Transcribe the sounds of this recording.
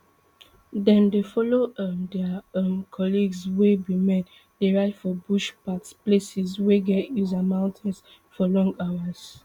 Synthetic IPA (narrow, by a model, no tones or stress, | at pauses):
dɛ̃ndefɔlodɛmkʰɔliɡswebimɛ̃t | deɹaɪtfɔbuʃpatsplesisweɡɛtjuzamãʊ̃ntʰɛ̃ns | fɔlɔ̃ŋɡawas